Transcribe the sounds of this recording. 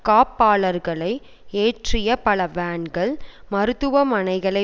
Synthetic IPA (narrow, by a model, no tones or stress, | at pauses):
kaːpːaːɭɐɾɣɐɭɐɪ | eːʈrɪjɐpɐɭɐʋaːɳɡɐɭmɐɾɯt̪ːɯʋɐmɐnɐɪɣɐɭɐɪ